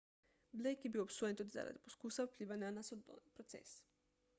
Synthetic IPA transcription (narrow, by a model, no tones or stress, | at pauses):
blejkjebiopsojet̪od̪za̰ɾa̰d̪iposkusauplʲiːʋaɲanasod̪opɾot̪sḛs